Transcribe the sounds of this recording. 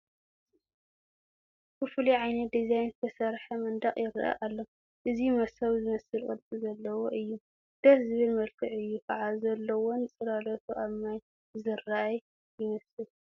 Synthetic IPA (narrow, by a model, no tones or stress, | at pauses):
bɨfɨliʕajnɐt̪̚d̪izajnt̪ʰɐsɐɾħɐmɐnd̪ɐχʼjɪɾa̰ʔa̰ʔalːo | ʔɨzimɐsɐwzɨmɐsɨlkʼɨ̰lt͡sʼɨzɐlːɐwoʔɨjːu | d̪̥ɐħzɨβɨlmɐlkʰɨʕɨjːukʰɐʕazɐlːɐwonɨt͡sʼɨlalɐt̪ʰuʔaβmaj | zɨraʔaj | jɪmɐsɨl